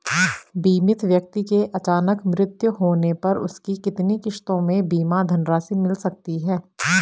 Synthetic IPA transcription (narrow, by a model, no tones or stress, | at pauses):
biːmɪt̪ʋjɐk̚t̪ikeʔɐt͡ʃaːnəkmɾɪt̪jəɦoːnepɐɾʊ̰skikɪt̪nikɪʃt̪õmẽbiːmad̪ʱɐnɾaːsimɪlsɐk̚t̪iɦɛː